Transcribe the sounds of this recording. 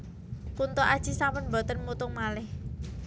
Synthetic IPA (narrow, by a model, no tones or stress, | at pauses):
kunt̪oʔad̥ʒ̥isampənbɔ̤t̪ənmut̪ʊŋmalɪh